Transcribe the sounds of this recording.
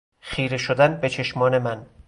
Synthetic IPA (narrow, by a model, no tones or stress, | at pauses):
xiːɾe̞ʃod̪ænbe̞t͡ʃʰe̞ʃmɒːne̞mæn